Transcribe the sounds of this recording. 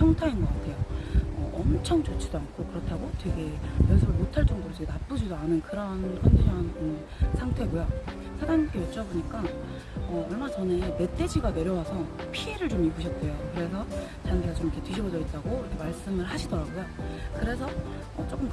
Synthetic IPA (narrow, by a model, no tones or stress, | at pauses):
pʰjʌŋtʰainɡʌk͈atʰe̞joʌ̰ʔʌmt͡ɕʰʌŋt͡ɕot͡ɕʰid̥oankʰokɯɾʌtʰaɡotwe̞ɡe̞jʌsʰuɭmotʰaɭt͡ɕ͈ʌŋdoɾoteɡenap͈ɯd͡ʑidoanɯnkɯɾʌnkʰanɕʰʌn | sʰaŋtʰe̞ɡojo | sʰaɾamik͈ejet͡ɕ͈ʌboɲik͈a | ʌʌɭmat͡ɕʌneme̞t͈ed͡ʑiɡane̞ɾjʌwasʰʌpʰiːɾɯɭt͡ɕomibuɕʰʌt̚t͈ejokɯɾe̞s̬ʰʌ | t͡ɕandaat͡ɕomikʰetɥiɕʰibʌd͡ʑʌit̚t͈aɡoiɾʌkʰe̞maɭs͈ɯmɯɭhaɕʰidʌɾaɡojokɯɾe̞sʰʌ | ʌ̰t͡ɕ͈ok͈ɯm